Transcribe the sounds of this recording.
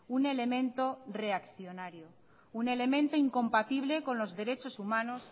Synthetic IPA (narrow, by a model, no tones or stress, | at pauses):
une̞le̞mẽ̞nt̪o̞re̞akθjo̞naɾjo | une̞le̞mẽnt̪oiŋko̞mpat̪iβle̞ko̞nlo̞zðe̞ɾe̞t͡ʃo̞sumãno̞s